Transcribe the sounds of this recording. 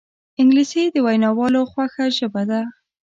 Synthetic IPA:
ɪŋɡlised̪əwajnɑwɑloxwaxaʒəbad̪a

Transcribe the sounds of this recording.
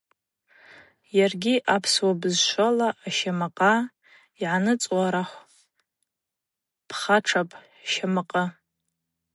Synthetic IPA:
jarɡʲiʔapʰswabɨzʃʷalaʔːʃamaqʼa | iʕanɨt͡sʼwaɾaχʷ | pʰχaʈ͡ʂʰapʼ | ʃamɨqʼə

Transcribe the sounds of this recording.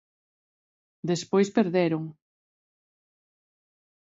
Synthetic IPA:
d̪espojspeɾðɛɾoŋ

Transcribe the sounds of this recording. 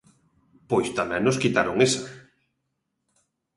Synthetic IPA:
pojst̪amɛ̃nnoskit̪aɾoŋesa

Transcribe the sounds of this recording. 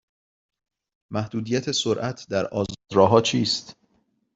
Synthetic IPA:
mæhd̪uːd̪ijæt̪ʰe̞soɾʔæt̪ʰd̪æɾʔɒːzɾɒːɦɒːt͡ʃʰiːst̪

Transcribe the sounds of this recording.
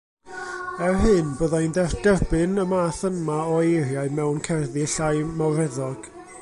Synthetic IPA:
ɛrɦɨnboðajnðɛrd̥ɛrbɨnəmaːθənmaɔejrjaɨmɛwnkʰɛrðiɬajmawɾɛðɔɡ̥

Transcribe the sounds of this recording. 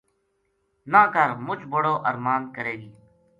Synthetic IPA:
naːkəɾmʊt͡ʃʰbəɽoːʔəɾmaːnkəɾeːɡiː

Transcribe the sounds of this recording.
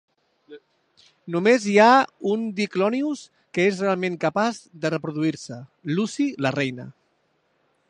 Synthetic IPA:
numeziaund̪iklɔnius | kəesrealˠmẽŋkəpazðərəpɾuðuiɾsəlusilərɛjnə̰

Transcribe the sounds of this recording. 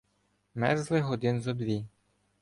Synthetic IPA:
mɛ̰rzlˠɪɦɔd̪ɪnzɔd̪ʋʲi

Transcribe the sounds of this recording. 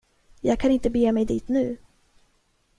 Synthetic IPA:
jɑːɡ̚kʰanɪnt̪əbeːmɛjd̪iːt̪nʉ̟ː

